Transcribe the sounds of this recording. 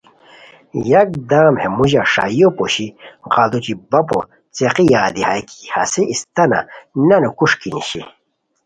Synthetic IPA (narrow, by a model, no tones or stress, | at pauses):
jɐk̚d̪aːmhemuʑaʂa̰jopoɕiʁald̪ut͡ɕibɐpo̰ | t͡seqijaːd̪ihajki̥ha̰siʔist̪ɐna̰nɐnukuʂkinḭɕḭ